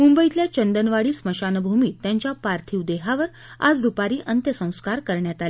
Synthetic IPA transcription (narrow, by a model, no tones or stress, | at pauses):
mumbəit̪ljat͡ɕənd̪ənʋaɽiːsməɕanbʱumiːt̪ːjaɲt͡ɕjapaɾt̪ʰiːwd̪eɦaʋəɾ | a̰d͡zd̪upaɾiːʔənt̪jəsə̃w̃skaɾkəɾɳjat̪ale